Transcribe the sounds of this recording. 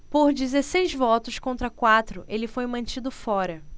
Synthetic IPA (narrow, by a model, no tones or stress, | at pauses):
poɾd͡ʒizesejzvɔt̪ʊskõnt̪ɾɐkwat̪ɾʊʔelɪfojmɐ̃t͡ʃid̪ʊfɔɾɐ